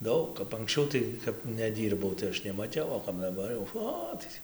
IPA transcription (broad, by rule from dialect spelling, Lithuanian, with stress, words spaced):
ˈdɐʊk kɐp ɐŋksʲˈt͡ʃʲɛʊ tɐɪ kɐp nʲɛˈdʲiːrbɐʊ tɐɪ ˈɐʃ nʲɛmɐˈtʲɛʊ oː kɐp dɐˈbɐr jɛʊ ˈoː tɐɪ tʲiː